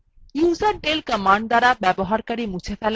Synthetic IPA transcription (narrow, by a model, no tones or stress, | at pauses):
juːzɐɾɖelkəmaɳɖd̪aɾabɛbɔɦaɾkɐɾimut͡ʃʰefʰɛl